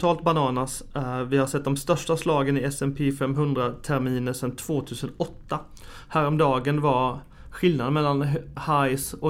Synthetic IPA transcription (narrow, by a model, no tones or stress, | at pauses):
t̪ʰɑːlt̪̚banɑːnasvɪhaʂsɛt̪̚d̪ɔmst̪œʂʈaslɑːɡənɪɛsɛmpʰeːfɛmɦɵnd̪ɾat̪ʰæɾmiːnəʂɛnt̪ʰv̥oːt̪ʰʉ̟ːsənɔt̪ːa | hæːɾɔmd̪ɑːɡənvaɾ | ɧɪldnad̪əmɛlːanhajsɔ